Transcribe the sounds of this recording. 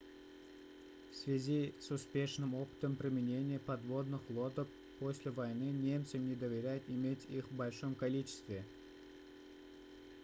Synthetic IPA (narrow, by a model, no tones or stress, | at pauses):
fsvʲɪzʲisʊspʲe̞ʂnɨmopɨ̥t̪əmpɾʲɪmʲɪnʲenʲɪjəpɐd̪vo̞d̪nɨxlˠo̞t̪əf | posʲlʲɪvɐjnɨnʲe̞mt̪sɨnʲɪd̪əvʲɪɾʲæjɪt̪ɪmʲetʲixbɐlʲʂomkɐlʲit͡ɕɪ̥st̪vʲɪ